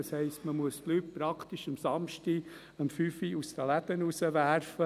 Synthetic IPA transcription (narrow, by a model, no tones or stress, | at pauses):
ɑshɛɪstməmuəstlyːt̚pɾɑkχt̪iʃəmsɑmʃti | əmfyːfiust̪əlæd̪ənusəʋæɾfə